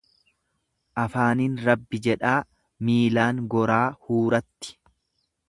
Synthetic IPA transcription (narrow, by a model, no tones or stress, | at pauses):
ʔɐfaːninɾɐbːɪd͡ʒɛᶑaː | miːlaːŋɡɔɾaːhuːɾɐt̪ːɪ̥